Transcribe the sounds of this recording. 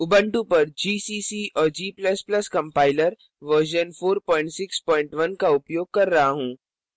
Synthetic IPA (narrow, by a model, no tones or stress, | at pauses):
ʊbə̃ɳʈũpɐɾd͡ʒiːsiːsiːɔːɾd͡ʒiːplɐsplɐskɐ̃mpaːɪləɾ | ʋəɾʃ̬ənfoːɾpɔːɪ̃ɳʈsɪkspɔːɪ̃ɳʈʋɐnkaʊpjoːɡ̚kɐɾːɐɦaɦũː